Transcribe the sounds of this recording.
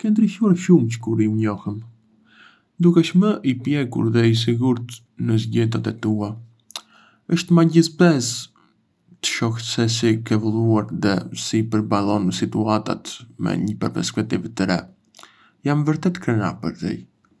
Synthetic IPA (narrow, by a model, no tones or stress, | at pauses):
kɛnd̪ɾiʃuaɾʃumt͡ʃə̥kuɾiuɲɔhəm | d̪ukɛʃməʔipjɛkṵɾðɛis̬iɡuɾt̪ | nəzɟɛt̪̬at̪ɛt̪ua | əʃt̪maɟisbɛz | t̪ə̥ʃɔxtsɛsikɛvulˠuaɾðɛ̰sipəɾbalˠɔnəsit̪uat̪a̰t̪mɛ̰ɲəpəɾpɛ̰ɾskɛk̚t̪ivt̪əɾɛ̰ | jamvəɾt̪ɛt̪kɾɛna̰pə̰ɾt̪ḭ